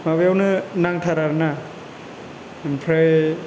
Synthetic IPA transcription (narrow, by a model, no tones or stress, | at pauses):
mabejawnɯnaŋtʰaɾaɾna | mpʰɾaj